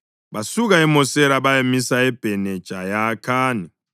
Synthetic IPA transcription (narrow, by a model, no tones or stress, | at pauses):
βasuɣ̬aɛmɔsɛɾaβajemisaɛb̥ʱɛnɛd̥ʒ̥ʼʱajakʰaːni